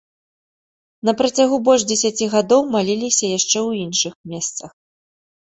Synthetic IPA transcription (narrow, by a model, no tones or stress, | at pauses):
nɐpɾɐt͡sʲaɣubɔlʲʐd͡zʲɛsʲat͡sʲiɣad̪ɔwmalʲilʲisʲɐjaʂt͡ʂɛwinʂɨxmʲɛst̪sɐx